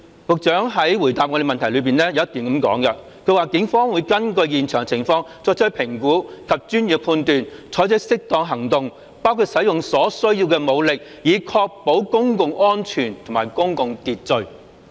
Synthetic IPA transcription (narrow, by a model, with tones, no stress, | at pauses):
kʊ˨k̚t͡ʃœː˨˥ŋɦɐ˨˥jwuː˨˩jt̪aː˨p̚ŋɔ˧de˨˧mɐ˨nt̪ʰɐ˨˩jlɵ˨˧ɥpiː˨nlɛː˥jɐ˧˦ɐ˥t̪ːiː˨nkɐ˨˥mkɔ̰ː˨˥ŋɡɐ˧ | kʰɵ˧waː˨kɪ˨˥ŋfɔː˥ŋwuː˨˧˥jkɐ˥nkɵ˧ɥjiː˨nt͡ʃʰœː˨˩ŋt͡sʰɪ˨˩ŋfɔː˧ŋt͡sɔː˧˥k̚t͡sʰɵ˥pʰɪ˨˩ŋkuː˨˥kʰɐ˨p̚t͡ʃyː˥njyː˨˩p̚pʰuː˧nt̪yː˨nt͡sʰɔː˨˥jt͡sɵ˥sɪ˥k̚t̪ɔː˧ŋɦɐ˨˩ŋt̪ʊ˨ŋ | paː˥wkʰuː˧t̚sɐ˨˥jʊ˨ŋsɔː˨˥sɵ˥ɥji˧wkɛː˧mo˨˧wlɪ˨k̚ | jiː˨˧kʰɔː˧k̚po˨˥wkʊ˥ŋkʊ˨ŋʔɔː˥nt͡ʃʰyː˨˩nt̪ʰʊ˨˩ŋmaː˨˩jkʊ˥ŋkʊ˨˧ŋt̪iː˨t̚t͡sɵ˧ɥ